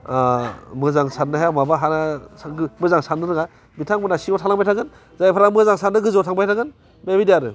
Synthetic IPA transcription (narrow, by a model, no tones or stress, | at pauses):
mɯzaŋsanɯɦajamabaɦanasaɡɯmɯzaŋsanɯɾɯɡa | bitʰaŋbɯnasiɔtʰalaŋbajtʰaɡɯn | zajpʰaɾamɯzaŋsandɯɡɯzɔtʰaŋbajtʰaɡɯn | bebidiaɾɯ